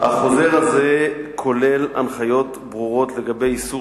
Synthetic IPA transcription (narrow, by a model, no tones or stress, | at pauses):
a̰χo̞ze̞ʁaze̞kʰo̞le̞la̰nχajo̞t | bʁuʁo̞tle̞ɡabe̞jisu